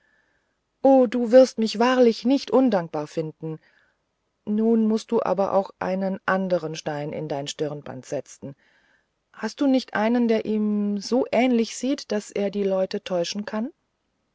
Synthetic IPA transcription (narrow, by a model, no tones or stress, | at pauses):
ʔoːduːvɪɐstmɪçv̥aːɐlɪçnɪçtʔʊndaŋk̚b̥aːɐfɪndn̩ | nuːnmʊst̚d̥uːʔa̰ːbɐʔa̰ʊxʔa̰ɪnənʔandəʁ̞ənʃtaɪnʔɪ̰ndaɪnʃtɪʁnba̰ntz̥ɛt͡sn̩ | hast̚d̥uːnɪçtʔa̰ɪnəndeːɐʔiːmzoːʔɛːnlɪçz̥iːtd̥asʔeːɐdiːlɔʏtətʰɔʏʃn̩kʰan